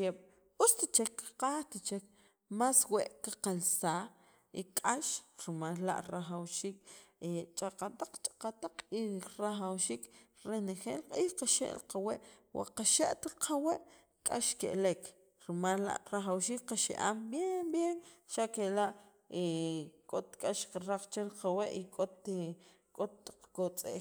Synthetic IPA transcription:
keɓ̥ | ut͡st̪it͡ʃekːḁqaːχt̪it͡ʃek | masweʔkaqalsaː | ikʼaʃɾimallːa̰ʔɾaχawʃiːk̚et͡ʃʼaqat̪aq͡χt͡ʃʼḁqat̪aq͡χiɾaχawʃiːkɾenexeːlqʼiːhqaʃḛʔlqaweʔwʔa̰qaʃeʔt̪aqʰaweʔ | kʼaʃkeʔlek | ɾimalːa̰ʔɾaχawʃiːkqaʃḛʔa̰ːmbjenbjenʃakelaʔ | ekʼot̪kʼaʃqaɾaχt͡ʃeɾqaweʔikʼot̪ | kʼot̪ːḁq͡χkot͡sʼḛʔ

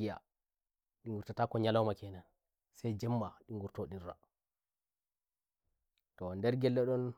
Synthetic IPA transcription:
ija̰ | ɗiŋɡuɾtataːkɔɲalɔwmakɛnan | sɛjd͡ʒɛmːaɗiŋɡuɾtoɗira̰ | tɔndɛɾɡɛlːɛɗɔn

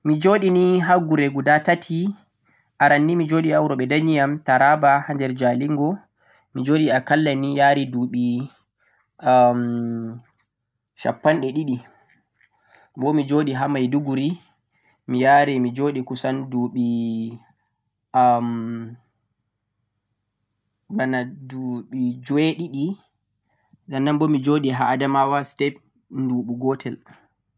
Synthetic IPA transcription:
mid͡ʒoːɗiniɦaɡuɾeɡudatatʰi | ʔaɾanːimid͡ʒoɗiawɾɔɓɛdanijamtaɾabahandɛɾd͡ʒaliŋɡɔ | mid͡ʒoːɗiakalːanijaːɾiduːɓi | m | ʃa̰pːanɗɛɗiɗi | bɔmid͡ʒoːɗiɦamajduɡuɾi | mijaːɾɛmid͡ʒoːɗikusanduɓi | m | banaduɓid͡ʒweɗiɗi | ɗanːanbɔmid͡ʒoɗiɦaːdamawastɛp̚ | nduɓuɡɔtʰɛl

